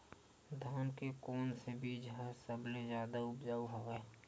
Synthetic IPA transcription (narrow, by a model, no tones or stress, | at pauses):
d̪ʱaːnkekoːnsebiːd͡ʒɦɛsəblezjaːd̪aʊpd͡ʒaːwɦoɡɛ